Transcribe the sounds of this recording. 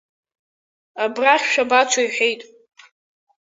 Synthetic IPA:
abraχʲʃᶣabat͡ʃʷʰaiħʷᶣejtʼ

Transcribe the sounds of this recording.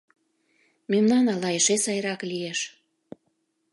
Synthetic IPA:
memnɑnɑlɑeʃesɑjɾɑklieʃ

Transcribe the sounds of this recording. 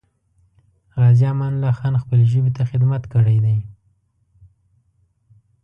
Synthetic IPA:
ɣɑzjɑmɑnlɑxɑnxpəleʒəbet̪axɪd̪mat̪kəɽajd̪aj

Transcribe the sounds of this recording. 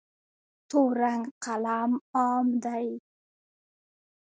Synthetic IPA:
t̪oɾaŋqalamɑːmd̪aj

